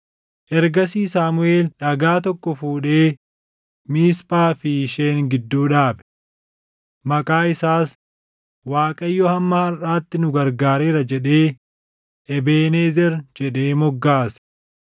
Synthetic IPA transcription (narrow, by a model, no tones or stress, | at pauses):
ʔɛɾɡɐsiːsaːmʊe̞ːlᶑɐɡaːt̪ɔkːɔfuːᶑe̞ː | miːspʼaːfɪːʃe̞ːŋɡɪd̪ːuːᶑaːbɛ̥ | mɐkʼaːɪsaːs | waːkʼɐjːɔhɐmːɐhɐraːt̪ːɪnʊɡɐɾɡaːɾe̞ːɾɐd͡ʒɛᶑe̞ː | ʔɛbeːneːzɛɾd͡ʒɛɗe̞ːmɔɡːaːs